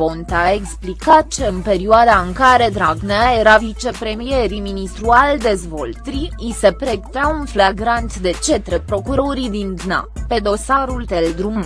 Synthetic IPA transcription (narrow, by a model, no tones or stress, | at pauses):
ont̪aeksplikat̪̚t͡ʃeɨnpe̞ɾioad̪aɨŋkaɾe̞d̪ɾaɡnejeɾavit͡ʃe̞pɾe̞mijeɾiminist̪ɾuald̪e̞zvo̞lt̪ɾiise̞pɾek̚t̪eaunflaɡɾant̪d̪e̞t͡ʃe̞t̪ɾepɾo̞kuɾo̞ɾid̪ind̪na̰pe̞d̪o̞saɾult̪eld̪ɾum